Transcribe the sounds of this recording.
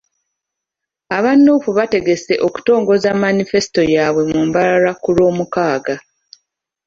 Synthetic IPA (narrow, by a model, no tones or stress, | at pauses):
aβanːufuβate̞ɡe̞se̞ʔo̞ku̥to̞ːŋɡo̞zamanife̞si̥to̞jaːβwe̞mumbalaɾakuɾo̞ːmukaːɡa